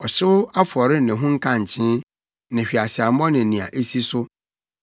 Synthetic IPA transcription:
ɔ˨ɕɪ˦a˦fɔ˨ɾɪ˦nɪ̃˨ɦʊ̃˦ŋ̩˦kʰã˦ɲ˨t͡ɕʰɪ̃˦ | nɪ̃˨ɕᶣi˨a˨ɕɪ˨a˨˦mɔ̃˦nɪ̃˨nĩ˨a̰˨ʔe˦si˦sʊ˦

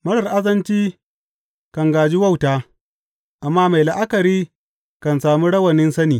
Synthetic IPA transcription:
mɐ˦ɽɐ˨rʔa˦zɐ˦nt͡ʃiː˦ | kɐ˨ŋɡaː˨d͡ʒi˦wɐ˦˨wtaː˦ | ʔa˨mːaː˦ma˨jla˨ʔa˦kɐ˨ɾiː˦ | kɐ˨nsaː˨muː˦ɽɐ˦wɐ˨nɪ˦nsɐ˦niː˨

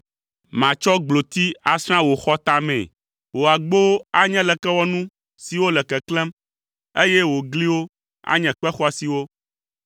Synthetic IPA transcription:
mã˨t͡ʃɔ˦ɡ͡blo˨t̪i˦a˨sɾ̃ã˦wo˨xɔ˦t̪a˦mɛ̰̃˨ | wo˨a˨ɡ͡bo˦a˦ɲɛ̃˦lɛ˨kɛ˦wɔ˦nũ˦ | si˨wo˦lɛ˨kɛ˨klɛ̃˦m | e˦jɛ˦wo˨ɡli˦wo˦ | a̰˦ɲɛ̃˨k͡pɛ˦xɔ˦a˨si˨wo˦

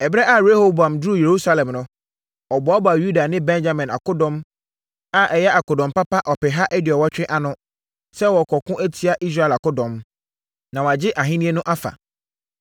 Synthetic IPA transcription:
ɛ˨bɾɛ˦ʔa˦˨ɾe˦ho˦bã˨mdu˦˨je˨ɾu˦sa˦lɛ̃˨mnʊ̃˦ | ɔ˨bɔ˨a˦ba˨ju˦da˨nɪ̃˦bɛ̃˦nd͡ʑa˦mɛ̃˨na̰˨kʊ˦dɔ̃˦m | a˦ʔɛ˨jɛ˦a˨kʊ˨dɔ̃˨mpa˦pa˦ʔɔ˨pɪ˨ɦa˦ʔɛ˦dɪ˨ɔ˨wɔ˦t͡ɕᶣɪ˦ʔa˨nʊ̃˦ | sɛ˦wɔ˨kʰɔ˨kʰʊ̃˦ʔæ˦tʰi˦a˨ʔi˦s̬ɾa˦ɛ˨la˨kʊ˦dɔ̃˨m | nã˨wa˨d͡ʑɪ˦ʔa˨ɦɪ̃˦nĩ˦e˦nʊ̃˦ʔa˦fa̰˨

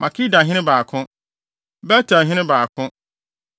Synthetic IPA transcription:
mʔã˨kʰi˦da˨ɦɪ̃˦nɪ̃˦baː˨kʰʊ̃˦ | bɛ˦tʰa˨ɦɪ̃˦ɪ̃˦baː˨kʰʊ̃˦

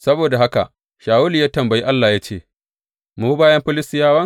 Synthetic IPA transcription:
sɐ˦boː˨da˨ɦa˦ka̰˨ʔ | ʃaː˨wʊ˦li˨jaː˦tɐ˨mbɐ˨ji˦ʔa˦lːaː˨jaː˦t͡ʃeː˦˨ | muː˨u˦baː˦jɐ˦mɸɪ˦lɪ˦stɪ˦jaː˦wɐ˦ŋ

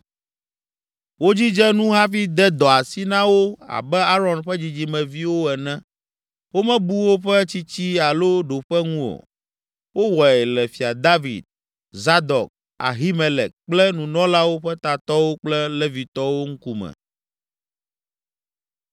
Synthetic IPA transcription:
wo˦d͡ʑi˦d͡ʒɛ˦nũ˦ɦa˦fi˦d̪ɛ˦d̪ɔ˨a˨si˦nã˦wo˦a̰˨bɛ˦a˦ɾɔ˨nɸɛ˦d͡ʑi˨d͡ʑi˦mɛ̃˨vi˦wo˦ɛ˨nɛ̃˦ | wo˦mɛ̃˦bu˦wo˦ɸɛ˦t͡ɕi˦t͡ɕi˦a˨lo˦ɖo˨ɸɛ˦ŋũ˦o̰˨ | wo˦wɔ˨ɛ˨lɛ˨fi˨a˨d̪a˦vḭ˨d̪̚ | za˦d̪ɔ˨k̚ | a̰˨ɦi˦mɛ˨lɛ̰˨k̚k͡plɛ˦nũ˨nɔ̃˦la˦wo˦ɸɛ˦t̪a˨t̪ɔ˦wo˦k͡plɛ˦lɛ˦vi˨t̪ɔ˦wo˦ŋ̩˦ku˦mɛ̰̃˨

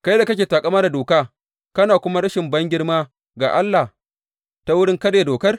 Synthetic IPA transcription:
ka˦jda˨kɐ˦kʲeː˨taː˨kʼɐ˦maː˦da˨doː˨kaː˦ | kɐ˦naː˨kʷʊ˦ma˦ɽɐ˦ʃɪ˨mbɐ˦ŋɡʲɪ˦ɽmaː˦ | ɡa̰ː˨ʔa˦lːa˨h | ta˦wʊ˦ɽɪ˦ŋkɐ˦ɽje˨doː˨kɐ˦r

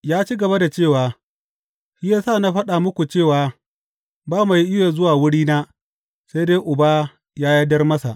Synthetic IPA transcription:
jaː˦t͡ʃiː˦ɡɐ˨ba˦da˨t͡ʃeː˦˨waː˨ | ʃi˦jaː˦saː˦˨na˦ɸɐ˦ɗa˨mʊ˦kʷu˨t͡ʃeː˦˨waː˨ | baː˦ma˨ji˦ʔɪ˦jaː˨zʊ˦waː˨wʊ˦ɽiː˦naː˦ | sa˦deː˦ʔʊ˨baː˦ | jaː˦ja˦dɐ˦rmɐ˦sa̰˨ʔ

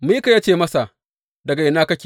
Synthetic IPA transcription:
mi˦ka˨jaː˦t͡ʃeː˦˨mɐ˦sa˨ʔ | dɐ˨ɡa˨ʔɪ˨naː˦kɐ˦kʲː

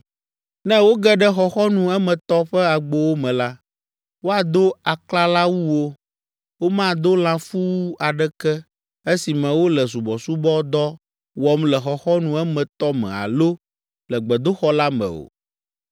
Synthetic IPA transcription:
nɛ̃˦wo˦ɡɛ˦ɖɛ˦xɔ˨xɔ˦nũ˨ɛ˦mɛ̃˨t̪ɔ˦ɸɛ˦a˨ɡ͡bo˦wo˦mɛ̃˨la˦ | wo˦a˨d̪o˦a˨kla˦la˦wu˦wo˦ | wo˦mã˦d̪o˦l̃ã˦fu˦wu˦a˨ɖɛ˦kɛ˦ | e˦si˨mɛ̃˨wo˦lɛ˨s̬u˨bɔ˨su˦bɔ˦d̪ɔ˦ | wɔ˦mlɛ˨xɔ˨xɔ˦nũ˨ɛ˦mɛ̃˨t̪ɔ˦mɛ̰̃˨a̰˨lo˦ | lɛ˨ɡ͡bɛ˨d̪o˦xɔ˦la˦mɛ̰̃˨o̰˨

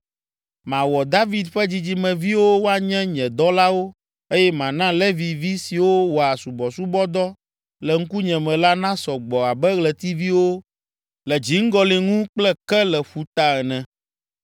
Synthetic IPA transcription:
mã˨wɔ˨d̪a˦vi˦d̪ɸɛ˦d͡ʑi˦d͡ʑi˦mɛ̃˨vi˦wo˦wo˦a˨ɲɛ̃˦ɲɛ̃˨d̪ɔ˦la˦wo˦ | e˦jɛ˦mã˨nã˦lɛ˦vi˨vi˦si˨wo˦wɔ˨a˨su˨bɔ˨su˦bɔ˦d̪ɔ˦ | lɛ˨ŋ̩˦ku˦ɲɛ̃˨mɛ̃˨la˦nã˦sɔ˨ɡ͡bɔ˨a˨bɛ˦ɣlɛ˨t̪i˦vi˦wo˦ | lɛ˨d͡ʑi˨ŋ̩˦ɡɔ˦le˨ŋũ˦k͡plɛ˦kɛ˦lɛ˨ɸu˨t̪a˦ɛ˨nɛ̃˨

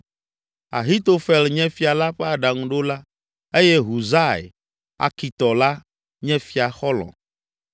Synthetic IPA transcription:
a̰˨ɦi˦t̪o˦fɛ˨lɲɛ̃˦fi˨˦a˨la˦ɸɛ˦a˨ɖa˨ŋũ˦ɖo˦la˦ | e˦jɛ˦ɦu˨za˦ḛ˨ | a̰˨ki˨t̪ɔ˨la˦ | ɲɛ̃˦fi˦a˨xɔ˦lɔ̰̃˨

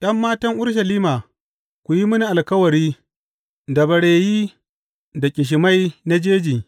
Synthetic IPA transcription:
ɗɐ˦mːaː˦tɐ˦ŋʔʊ˦ɽʃɐ˨liː˦maː˨ | kʷu˨ji˦mʊ˦ni˨ʔa˨lkɐ˦wɐ˨ɾiː˦ | da˨bɐ˨ɽeː˨jiː˦ | da˨kʲʼɪ˨ʃ̬ɪ˨ma˦jna˦d͡ʒeː˦d͡ʒiː˨

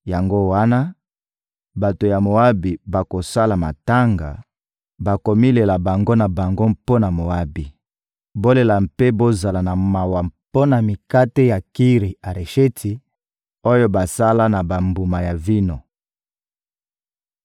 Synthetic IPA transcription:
ja˨ŋɡo˦wa˦na˦ | ba˨to˨ja˨mo˨a˦bi˨ba˨ko˨sa˦la˨ma˨ta˦ŋɡa̰˨ | ba˨ko˨mi˦le˨la˨ba˨ŋɡo˦na˨ba˨ŋɡo˦mpo˦na˨mo˨a˦bi˨ | bo˦le˨la˨mpe˦bo˦za˨la˨na˨ma˨wa˨mpo˦na˨mi˨ka˦te˦ja˨ki˦ʁi˨a˨ʁe˨ʃe˦tʰi˨ | o˦jo˦ba˨sa˦la˦na˨ba˨mbu˨ma˨ja˨vi˦no˨

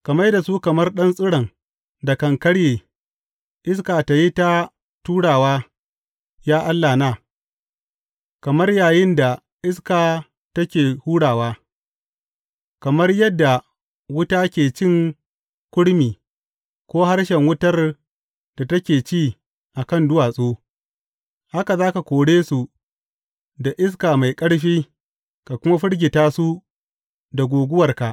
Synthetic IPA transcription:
kɐ˨mɐ˦jda˨suː˦kɐ˨mɐ˦rɗɐ˦nsʼɪ˦ɽɐ˨ŋ | da˨kɐ˨ŋkɐ˦ɽjeː˨ | ʔɪ˦s̬kaː˨ta˨ji˦ta˦ | tuː˦ɽaː˨waː˦ | jaː˦ʔa˦lːaː˨naː˦˨ | kɐ˨mɐ˦rjaː˨jɪ˦nda˨ | ʔɪ˦skaː˨ | tɐ˦kʲeː˨huː˦ɽaː˨waː˦ | kɐ˨mɐ˦rjɐ˦dːa˨ | wʊ˦taː˦kʲeː˨t͡ʃɪ˦ŋ | kʷʊ˦ɽmiː˨ | kʷoː˦ha˦rʃɛ˨ŋwʊ˦tɐ˦r | d̥a˨tɐ˦kʲeː˨t͡ʃiː˦˨ | ʔa˨kɐ˦ndʊ˦waː˨sʼoː˦ | ha˦ka˨zaː˦ka˨kʷoː˨ɽeː˦su˨ | da˨ʔɪ˦s̬kaː˨ma˨jkʼɐ˦ɽɸiː˦ | ka˨kʷʊ˦ma˦ɸʊ˦ɽɡʲɪ˨taː˦su˦ | da˨ɡʷoː˨ɡʷʊ˦wɐ˨rka˨ʔ

